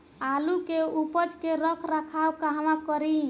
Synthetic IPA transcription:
alukeupət͡ʃkeɾəkʰɾakʰabkaɦəmakəɾi

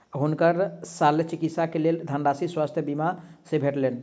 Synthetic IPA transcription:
ɦunkəɾsalet͡ʃikit̪sakeleld̪ʱəɳɖasiswast̪ʰjəbimasebʱeʈlen

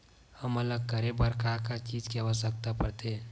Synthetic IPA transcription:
həmələɡ̚kəɾebəɾkakat͡ʃiːd͡ʒkeʋəsəkt̪apəɾt̪e

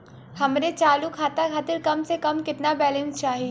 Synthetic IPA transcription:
hɐmɾet͡ʃaːlukʰaːt̪akʰaːt̪ɪɾkɐmsekɐmkɪt̪nabɛːlə̃nst͡ʃaːɦi

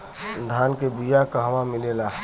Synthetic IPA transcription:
d̪ʱaːnkebijakaɦəʋãmɪlelaː

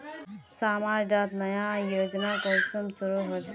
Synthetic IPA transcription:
saːmaːɾɖat̪nɐjajoːd͡ʒnakənsumsuɾuɦoɾs

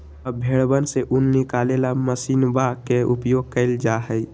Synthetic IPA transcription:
əbʱeɽbənseʔʊnːɪkalelaməsiːnbakeʊpjoːɡ̚kəɪld͡ʒaɦəi

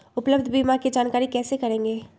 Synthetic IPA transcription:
ʊpləbd̪ʱbiːmaɾkid͡ʒaːnkaːɾikɛːsekɐɾẽːŋɡeː

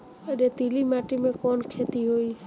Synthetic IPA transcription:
eɖet̪ilimaʈimẽkɔnkʰet̪iɦoj

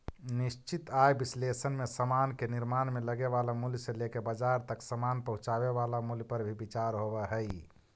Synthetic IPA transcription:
niʃt͡ʃit̪ajbislesənmesəmankeniɾmanmeləɡeβalamuljselekebəd͡ʒaɾt̪əksəmanpəɦũt͡ʃaβeβalamuljpəɾbʱibit͡ʃaɾɦobɛɦəj

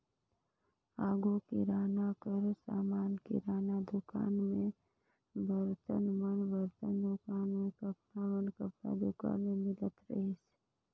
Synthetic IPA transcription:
aːɡokḭɾaːnakəɾsa̰ːmaːnkḭɾaːnad̪ʊka̰ːnmẽ | ʋəɾt̪ənmənʋəɾt̪ənd̪ʊkaːnmẽkəpnaʋənkəpna̰d̪ʊka̰ːnmẽmɪlət̪ɾə̰ɦis

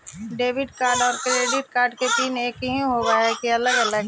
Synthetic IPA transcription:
ɖeːʋɪɖkaːɾɖɔːɾkɾeːɖɪʈ̚kaːɾɖket̪iːneːkɦĩɦoɡaɛkiɐləɡɐləɡ

